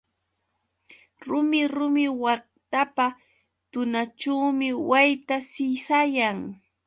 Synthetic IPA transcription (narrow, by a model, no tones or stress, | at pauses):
ɾʊmɪɾʊmɪwɑχ̚t̪apa | t̪ʊnat͡ʃawmɪwajt̪asɪsajaŋ